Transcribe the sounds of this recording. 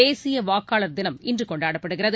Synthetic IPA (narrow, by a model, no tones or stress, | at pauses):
eːsɪjɐʋaːkːaːɭɐɾd̪ɪnɐmɪndrɯkɔɳɖaːɽɐpːɐɽɯɣɪrɐðɯ